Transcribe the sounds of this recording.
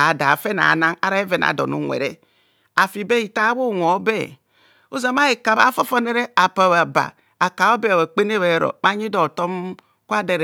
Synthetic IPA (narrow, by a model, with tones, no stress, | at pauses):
a˨da˨fe˦na̰˨na˦ŋa̰˦ɾa˦e˦ve˨na̰˨do̰˨nṵ˦ŋʷḛ˨ɾe˦ | a˨fi˨be˦i˨ta˦wo˦˨ŋʷ˨o˨˦be˦ | u˦za˨ma˦i˨ka˨βa̰˦fo˦fo˦ne˦ɾe˦a˨pa˨βa˨ba̰˨ | a˨ka˨o˦be˦˨we˨k͡pe˦n˦e˦βe˨˦ɾo̰˨ma˦ɲi˦do˨to˦m | kʷa˦de˨ɾ